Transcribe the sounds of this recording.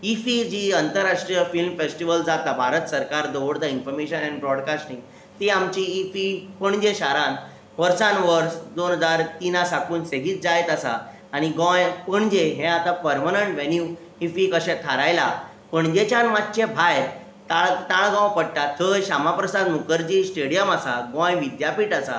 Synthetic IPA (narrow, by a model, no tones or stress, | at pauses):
ifid͡ʑiənt̪əɾːaʂʈɾijəfilmfesʈiʋəld͡zat̪abʱaɾət̪səɾkaɾd̪oʋəɽd̪ainfɔɾmeɕənañibɾɔɽkasʈĩŋɡ | t̪eamt͡ɕiːfipəɳd͡ʑẽɕaɾãn | ʋəɾsãnʋəɾsd̪onɦəd͡zaɾt̪inasakuːnseɡiːt̪̚d͡zajt̪asa̰ː | ɽ̃iɡɔ̃jpəɳd͡ʑeɦɛ̃at̪apəɾmənəɳʈʋɛnju | ifikəɕɛ̃t̪ʰaɾajla̰ | pəɳd͡ʑet͡ɕanmat̪̚t͡ɕẽbʱaj | t̪aɭt̪ãɭɡɔ̃pəɽʈat̪ʰːəɕamapɾəsad̪mukəɾd͡ʑisʈeɽijəmasaɡɔ̃jʋid̪japiːʈasa